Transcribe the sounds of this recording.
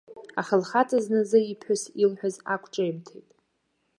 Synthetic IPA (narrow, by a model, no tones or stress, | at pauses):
aχəlχatʰʼaznɨzɨipʰħʊsilħʷᶣʊzakʷʰʼʈ͡ʂʼaimtʰejtʼ